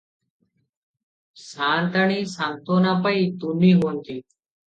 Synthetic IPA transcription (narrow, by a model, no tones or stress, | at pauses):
sant̪aɳ̃iːsãŋɡt̪onapəit̪unːiːɦont̪iː